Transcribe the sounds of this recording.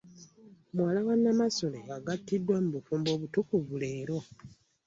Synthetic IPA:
mwaːlaβanːamaso̞leaɡatːidːwamuβufuːmbo̞ːβutukuvuleːɾo

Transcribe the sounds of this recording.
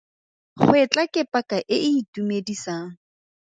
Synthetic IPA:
χʊɪt͡ɬʼakʼɛpʼakʼaʔɪɪːtumedisaːŋ̩

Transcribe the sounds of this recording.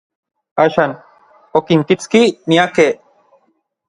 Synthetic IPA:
ɐʃɐn | okimkit͡skinijake

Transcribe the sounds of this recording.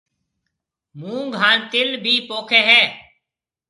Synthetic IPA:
mũːŋɡʱaːnt̪ɪlbʱiːpoːkʰeːɦɛː

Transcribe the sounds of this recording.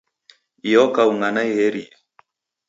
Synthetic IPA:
ijɔkauŋɡanaihɛɾia

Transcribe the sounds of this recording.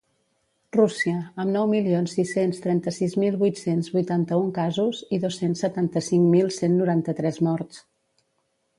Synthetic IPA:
rusiəəmnɔwmilionsːisenst̪ɾɛnt̪əsizmilˠβujt̪senzβujt̪ant̪əuŋkazuziðosːensːət̪ant̪əsiŋmilˠsenːuɾant̪ət̪ɾɛzmɔɾt̪s

